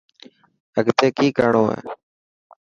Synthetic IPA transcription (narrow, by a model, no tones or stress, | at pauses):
əɡt̪eːkiːkəɾɳoːḛː